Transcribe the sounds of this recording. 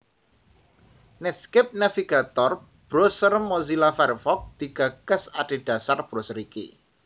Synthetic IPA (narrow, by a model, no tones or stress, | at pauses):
nɪskɪp̚nafiɡat̪ɔr | b̥ɾosərmozilafɛrfɔk̚d̪̥iɡ̥aɡ̥əsaɖ̥e̤ɖ̥a̤sarb̥ɾosəɾikḛ